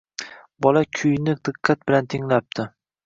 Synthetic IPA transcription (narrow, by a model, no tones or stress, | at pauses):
bɒlakʲʰʊjnɪd̪̥ɪqʰːɑt̪̚bɪlant̪ʰɪŋlap̚t̪ʰɪ